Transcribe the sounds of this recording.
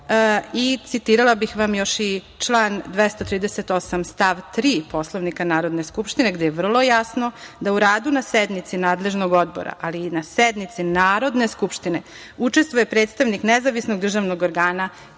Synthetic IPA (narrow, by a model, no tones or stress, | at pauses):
it̪sit̪iːɾalabixʋamjo̞ʃi | t͡ʂlaːnd̪ʋest̪ot̪ɾiːd̪eset̪o̞samst̪aʋt̪ɾiːpo̞slˠoʋnikanaːɾo̞d̪ne̞skupʃt̪ineɡd̪ejeʋr̩lˠo̞jasno̞d̪auɾaːd̪unased̪nit̪sinaːd̪le̞ʒnoɡo̞d̪bo̰ɾa̰ʔalinased̪nit̪sinaːɾo̞d̪ne̞skupʃt̪ine̞ | ut͡ʃe̞st̪ʋoje̞pɾeːt̪st̪aʋniknezaʋisnoɡ̚d̪r̩ʒaʋnoɡoɾɡaːna